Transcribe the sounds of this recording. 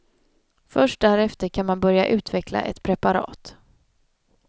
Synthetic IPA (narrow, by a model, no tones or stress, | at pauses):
fœʂʈ̚d̪æɾɛft̪əɾkʰanmanbœɾjaʔʉ̟ːt̪vɛkla̰ʔɛ̰t̪pʰɾɛpaɾɑ̰ːt̪